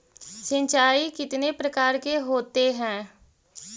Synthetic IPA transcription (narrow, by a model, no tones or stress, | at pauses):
sə̃ɲt͡ʃaːikɪt̪nepɾəkaːɾkeɦoːt̪eɦɛ̃ː